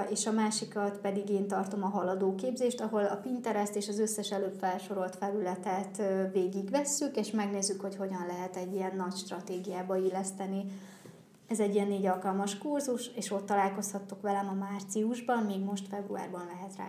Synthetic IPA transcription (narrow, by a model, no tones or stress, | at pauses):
eːʃɒmaːʃikɒt̪pɛd̪iɡeːnt̪ɒrt̪o̞mɒɦɒlɒd̪oːkeːbzeːʃt̪ɒɦo̞lɒ̰pint̪ɛɾɛst̪eːʃɒzøsːɛʃɛløːpfɛlʃo̞ɾo̞lt̪fɛlylɛt̪ɛt̪ːveːɡiɡʋɛsːykeːʃmɛɡneːzːykho̞cho̞ɟɒnlɛɦɛt̪ɛɟːiɛnːɒcʃt̪rɒt̪eːɡijaːbɒilːɛst̪ɛni | ɛzɛɟːijɛnːeːɟɒlkɒlmɒʃkurzuʃeːʃo̞t̪ːɒlaːlko̞shɒt̪ːukʋɛlɛmɒmaːrt̪siuʒbɒmmiːɡmo̞ʃt̪fɛbrua̰ːrbɒnlɛɦɛt̪ra̰ː